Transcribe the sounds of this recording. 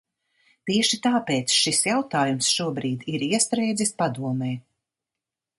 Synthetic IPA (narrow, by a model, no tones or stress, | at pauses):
t̪iɛʃit̪aːpeːt̪sʃisjawt̪aːjumsʃuɔbɾiːd̪iɾiɛst̪ɾɛjd̪zʲispad̪uɔmɛː